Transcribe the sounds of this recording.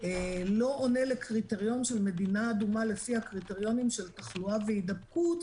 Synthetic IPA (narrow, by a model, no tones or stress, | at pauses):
elo̞ʔone̞le̞kʁite̞ʁijo̞nʃelme̞dinaːdumale̞fihakʁite̞ʁjo̞nimʃe̞ltaχluaveidab̚kut